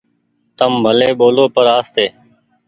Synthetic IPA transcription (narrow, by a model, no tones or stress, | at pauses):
t̪əmbʱəleːɓoːloːpəɾaːst̪eː